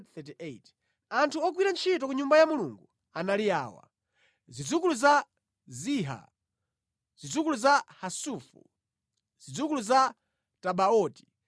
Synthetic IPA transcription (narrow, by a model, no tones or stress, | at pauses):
θɛt̬iʔet | antʰuɔk̬wiɾant͡ʃʰitɔkuɲumbajamuluŋɡu | analiaːwa̰ | zid͡zukuluza | ziɦa̰ | z̥id͡zukuluzahasuːfṵ | z̥id͡zukuluza | taɓaɔːti̥